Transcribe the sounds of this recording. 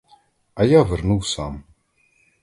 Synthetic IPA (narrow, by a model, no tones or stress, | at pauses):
æjavəɾnuwsam